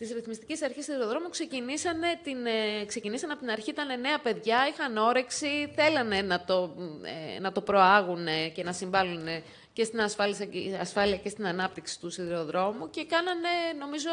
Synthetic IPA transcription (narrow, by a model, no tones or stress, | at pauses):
t̪isɾiθmist̪icesɐɾçisiðiɾo̞ðɾo̞mukse̞cinisɐne̞t̪inkse̞cinisɐnɐpot̪inɐɾçit̪ɐne̞ne̞ɐpe̞ðʝɐixɐno̞ɾe̞ksiθe̞lɐne̞nɐt̪o̞ḛnɐt̪o̞pɾo̞ɐɣune̞ce̞nɐsiɱvɐlune̞ | ce̞st̪inɐsfɐlisɐɐsfɐliɐce̞st̪inɐnɐp̚t̪iksi̥t̪usiðiɾo̞ðɾo̞muce̞kɐnɐne̞no̞mizo